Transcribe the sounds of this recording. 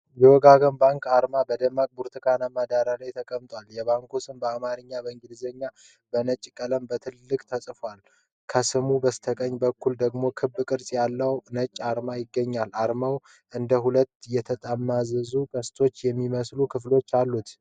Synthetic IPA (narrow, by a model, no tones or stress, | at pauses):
jɛwɔɡaɡənbaŋkaɾmabəd̪əmːakʼbuɾt̪ʰɨkʰanamad̪aɾalajt̪ʰəkʼəmt̪ʼwaljɛβaŋkʰosɨmbəamaɾɨɲːabəɨŋɡɨlzəɲːa | bənət͡ʃʼːkʼələmbət̪ʰɨlːɨkʼt̪ʰəsʼfal | kʰəsɨmubəst̪ʰəkʼəɲːbəkːuld̪əɡmo̞kʰɨbːɨkʼɨɾsʼjalːəwnət͡ʃʼːaɾmajɪɡːəɲːalaɾmaw | ʔɨnd̪əɦulət̪ːjɛt̪ʰət̪ʼamːazəzukʼəst̪ʰo̞t͡ʃːjɛmːiməslukʰɨflo̞t͡ʃːalːut̪